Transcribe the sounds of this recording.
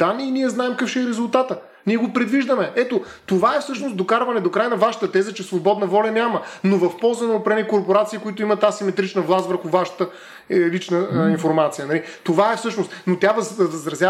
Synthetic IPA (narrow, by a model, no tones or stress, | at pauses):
d̪̥aniiniɛznaɛmkəfʃɛɛɾɛzʊlˠt̪at̪ə | niɛɡopɾɛd̪viʒd̪əmɛɛt̪o | t̪ovaɛfsɤʃnosd̪okaɾvɐnɛd̪okɾajnɐvaʃə̥t̪ət̪ɛzət͡ʃɛsvobɔd̪nɐvɔlʲɐnʲamənovɐfpɔlˠzənɐopɾɛnikoɾpoɾat̪siːkoit̪oimɐt̪ːasimɛt̪ɾit͡ʃnəvlˠast̪vəɾxʊvaʃə̥t̪ə | lit͡ʃnəinfoɾmat̪sijənɐlit̪ovaɛfsɤʃnost̪not̪ɾʲavəd̪ɐvəzɾɐzja